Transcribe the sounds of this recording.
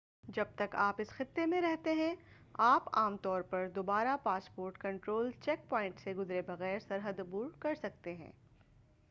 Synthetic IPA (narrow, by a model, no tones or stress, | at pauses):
d͡ʒɐb̚t̪ɐkaːpɪsxɪt̪ːemẽɾɛɦt̪eɦɛ̃ | aːpaːmt̪ɔːɾpɐɾd̪oːbaːɾapaːspoːɾʈkɐ̃ɳʈɾoːlt͡ʃɛːk̚pɔːɪ̃ɳʈseɡʊzɾebɐɣɛːɾsɐɾɦəd̪ʊbuːɾkɐɾsɐk̚t̪eɦɛ̰̃ː